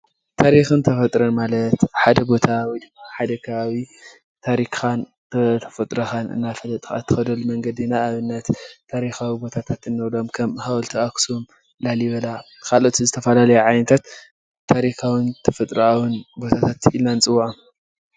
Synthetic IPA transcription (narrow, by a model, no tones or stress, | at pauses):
t̪ʰaɾixɨnt̪ʰɐfɐt̪ʼɾɐnmalɐt̪ħad̪ɐbo̞t̪ʰawid̪ɨmːaħad̪ɐkʰɐβaβi | t̪ʰaɾikʰan | t̪ʰɐt̪ʰɐ̥fɐt̪ʼɾɐxanɨ̰nːafɐlɐt̪ʼxa̰t̪ʰːɨ̥xɐd̪olumɐŋɡɐd̪inaːβɨnːɐt̪ʰːaɾixawibo̞t̪ʰat̪ʰat̪ɨnːɐwlo̞mkʰɐmhawlt̪ʰiaksum | laljiβɐla | kʰalo̞t̪ʰizɨt̪ʰɐfɐlalɐjuʕajnɐt̪ʰat̪ʰː | aɾixawɨnt̪ʰɐfɐt̪ʼɾawɨnbo̞t̪ʰat̪ʰat̪ʰilnant͡sʼɨwaʔam